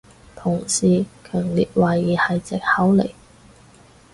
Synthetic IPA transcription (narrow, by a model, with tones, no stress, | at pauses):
t̪ʰʊ˨˩ŋsiː˨kʰœː˨˩ŋliː˨t̚waː˨jːiː˨hɐ˨jt͡sɪ˨k̚hɐ˨˥wlḛ˨˩j